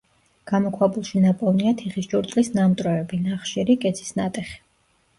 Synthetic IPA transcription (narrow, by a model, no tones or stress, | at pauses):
ɡ̥amɔkʰwabulˠʃinapʼɔvniat̪ʰiχisd͡ʒuɾt̪ʼlisnamt̪ʼɾɔɛbinaχʃiɾikʼɛt̪sʰi̥snat̪ʼɛχi̥